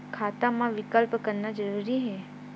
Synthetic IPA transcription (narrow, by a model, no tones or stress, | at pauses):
kʰaːt̪amãʋɪkəlpkəɾnad͡ʒəɾuːɾiɦɛː